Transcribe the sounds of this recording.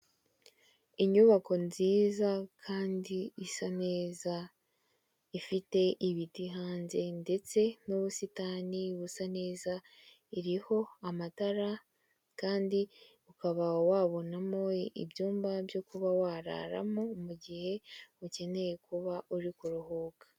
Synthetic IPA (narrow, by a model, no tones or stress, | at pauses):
iɲuβako̞nziːzakʰaːndiːsane̞ːza | ifite̞ʔiβitiɦaːnze̞nde̞t͡se̞nuβusitaːniβusane̞ːza | iɾiho̞amataɾa | kaːndi | ukaβawaːβo̞namoḭbjuːmbabjo̞kuβawaɾa̰ɾa̰momuɟihe̞uce̞ne̞je̞kuβaʔuɾikuɾuhokḁ